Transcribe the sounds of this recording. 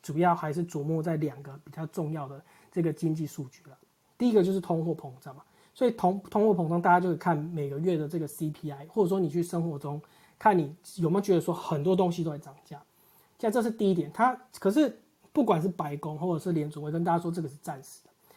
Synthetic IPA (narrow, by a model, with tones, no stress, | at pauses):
t͡su˨˩jɑ˥˩ʊxa˧˥ɪʂ̬ɻ̩˥˩t͡swɔ˨˩mwɔ˥˧t͡sa˥˩ɪljɑ˨˩ŋɡə˦pi˨˩t͡ɕa˥˧ʊʈ͡ʂʊ˥˧ŋjɑ˥˩ʊd̪ə˩ | ʈ͡ʂɤ˥˩ɡə˩t͡ɕi˦ŋt͡ɕi˥˧ʂu˥˧t͡ɕy̥˥˩lə˩ | t̪i˥i˦˥ɡə˧t͡ɕjʊʂɻ̩˥˩t̪ʰo˥ŋxwɔ˥˩pʰo˧˥ŋt͡sə˨˩ma˨˩ | swɔ˧˥i˨˩t̪ʰo˥ŋt̪ʰŋxwɔ˥˩pʰo˧˥ŋt͡sŋt̪a˥˩t͡ɕja˥t͡ɕo˥˧kʰe˥˩kʰa˥˩nme˨˩ɪɡə˦ɥɛ˥˩d̪ə˩ʈ͡ʂɤ˥˩ɡə˩si˦pʰi˥a˥ɪxwɔ˥˩d͡zə˨˩ʂwɔ˥ni˨t͡ɕʰy˥˩ʂə˥ŋxwɔ˧˦ʈ͡ʂʊ˦ŋ | kʰa˥˩nːi˨˩jme˧˥˨t͡ɕɥɛ˧˥d̪ə˧˩ʂwɔ˥xə˨˩nt̪̬wɔ˥t̪̬o˥˦ŋɕ̬i˧t̪o˥ʊa˧˩ʈ͡ʂɑ˨˩ŋt͡ɕja˥˩˥ | ʈ͡ʂɤ˥˧ʂ̬̩˥˧t̪i˥˧i˥t̪̬jɛ˨˩nt̪ʰa˦˥kʰə˨˩ʂ̬ɻ̩˥˩˨ | pu˥˩kwa˨˩nʂ̬̩˥˩pa˧˥ɪko˥ŋwɔ˥˩d͡zə˨˩ʂɻ̩˥˩ljɛ˧˥nt͡su˨˩wkə˦nt̪a˥t͡ɕa˥ʂwɔ˥ʈ͡ʂɤ˥˩ɡə˩ʂɻ̩˥˧ʈ͡ʂa˥˨nʂɻ̩̥˨˩˦d̪̥ə˨